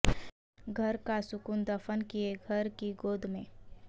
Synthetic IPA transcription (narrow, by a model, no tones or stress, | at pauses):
ɡʱɐɾkasʊkʊnd̪ɐfʰənkieɡʱɐɾkiɡoːd̪ʱmẽː